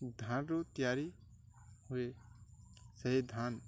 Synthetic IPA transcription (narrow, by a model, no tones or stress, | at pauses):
d̪ʱaːnɾot̪ijaːɾi | hʊe | səɦid̪ʱaːn